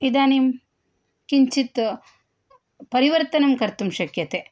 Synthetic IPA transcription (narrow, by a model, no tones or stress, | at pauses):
id̪aːnim | kiɲt͡ʃit̪ | pɐɾiʋɐɾt̪ɐnɐmkɐɾt̪umʃɐkjɐt̪eː